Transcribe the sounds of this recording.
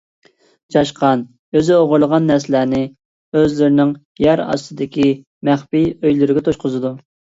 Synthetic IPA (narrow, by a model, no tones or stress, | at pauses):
d͡ʒɑʃqʰɑn | øzɪoʁʊɾlˠəʁɑnːɛɾslæːnɪ | øzlɪɾɪnɪŋ | jɛɾɑ̰st̪ɨd̪ɪkʲi | mæχpijøjlyɾɪɡʲɛt̪ʰoʃqʊzɨd̪u